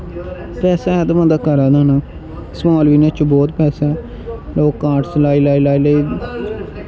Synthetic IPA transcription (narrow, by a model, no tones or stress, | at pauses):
pɛːsaːɛd̪mãːd̪aːkəɾaːd̪ãːnãː | smaːlʋiːnẽːt͡ʃobɔːt̪pɛːsɛɛ | loːkːaːʈslaːiːlaːilaːiləiː